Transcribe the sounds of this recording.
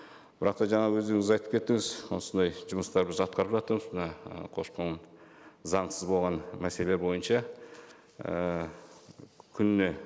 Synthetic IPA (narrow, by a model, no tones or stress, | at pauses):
b̥ɪɾɑq̚t̪ɑʒɑɴɑwɵzd̪eŋɪzɑjt̪ə̥pkʰʲe̞t̪ːɪŋɪzwonsənd̪ɑjʒʊməst̪ɑɾbɪzɑt̪̚qɑɾəpʒɑt̪əɾməzmənɑə̰qʰo̞ʃqəɴ | zɑɴsəzbo̞lˠʁɑnmæse̞le̞bo̞jənʃɑ | ə | kʲʰʏnne̞